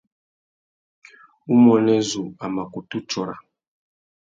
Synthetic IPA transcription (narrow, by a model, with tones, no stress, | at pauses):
u˦mɔ˨nɛ˦zu˨a˨ma˨ku˨tu˦t͡ʃɔ˨ɾa˨